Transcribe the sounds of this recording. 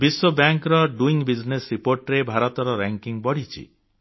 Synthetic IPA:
biswɔbjaŋkɾɔɖuiŋbid͡ʒnesɾipoɾʈɾebʱaɾɔt̪ɔɾɔɾaŋkiŋbɔɽ̤it͡ʃʰḭ

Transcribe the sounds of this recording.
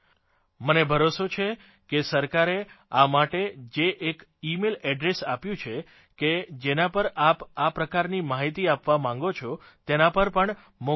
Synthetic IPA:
mənebʱəɾosot͡ʃʰe | kesəɾkaɾeamaʈed͡ʒeʔekimelɛɖɾesapjũt͡ʃʰe | ked͡ʒenapəɾapapɾəkaɾnimaɦit̪iapʋamãŋɡot͡ʃʰo | t̪enapəɾpəɳ | mo

